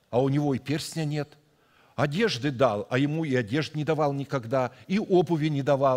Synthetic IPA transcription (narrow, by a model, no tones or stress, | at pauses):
ɐʊnʲɪvo̞ipʲersʲnʲənʲe̞t̪ | ɐdʲe̞ʐd̪ɨd̪alˠɐjɪmuiɐdʲe̞ʐt̪nʲɪd̪ɐvalˠnʲɪkɐɡd̪aiʔobʊvʲɪnʲɪd̪ɐvɑ